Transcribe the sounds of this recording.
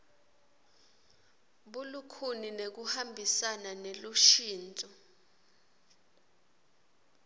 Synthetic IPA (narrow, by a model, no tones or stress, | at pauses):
ɓulukʰuninek̬uhambʱisananeluʃiːnt͡sʼɔ